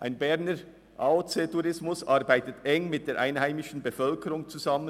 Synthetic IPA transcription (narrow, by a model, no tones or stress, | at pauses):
ʔaɪnbɛʁnəɾ | ʔaot͡seːtuɾɪsmʊsʔɑʁbaɪtətɛŋmɪt̚d̥eːɾʔaɪnhaɪmɪʃn̩befœlkəɾʊŋt͡suzɑmə